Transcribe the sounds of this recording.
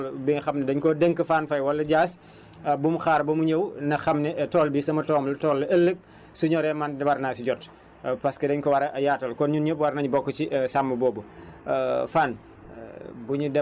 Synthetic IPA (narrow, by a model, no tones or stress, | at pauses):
lbixɐmnɛdɐɲkɔdəŋkəfaːnfɐjwɐlːɐɟaːs | bumuxaːɾbɐmuɲəwnɐxɐmnɛtɔːlbisɐmɐtɔːmltɔːlːɐəlːək̚ | suɲɔɾɛmɐndwɐɾnaːsiɟɔt | pɐskɐdɐɲkɔwɐɾɐʔɐjaːtɐlkɔnɲunɲəp̚wɐɾnɐɲbɔkːət͡ʃiʔsamːɐbɔːbu | faːn | buɲudɛ